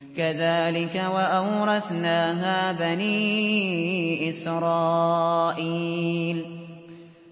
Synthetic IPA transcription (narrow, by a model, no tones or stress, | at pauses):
kaðaːlɪkawaʔawɾˤɑθnaːɦaːbaniː | ʔɪsɾˤɑːʔiːl